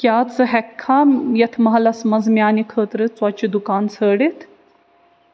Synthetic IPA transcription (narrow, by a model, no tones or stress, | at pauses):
kʲjaːt͡sɨɦɛkʰːaːmjɐt̪ʰmɐɦɐlɐsmɐzmjaːnikʰəːt̪ɾɨt͡swɐt͡ʃid̪ukaːnsʰəːɖit̪ʰ